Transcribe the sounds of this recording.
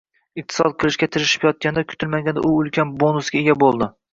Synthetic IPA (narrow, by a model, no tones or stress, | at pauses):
ɨq̚t̪ʰɨ̥sɒ̰d̪̚qʰɨlˠɪʃkʲat̪ʰɪɾɪʃɪ̥pjɒt̪̚kʲand̪ɛkʲʰʊ̥t̪ʰɪlmaɡʲand̪æ̰ʔʊɵlˠkʲanbonʊsɡʲaeɡʲabolˠd̪ɪ